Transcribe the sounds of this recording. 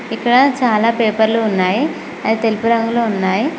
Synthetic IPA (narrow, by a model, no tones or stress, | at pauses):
ikɽãt͡salapepəɾlounːaje | anit̪elpəɾəŋɡloɦunːaje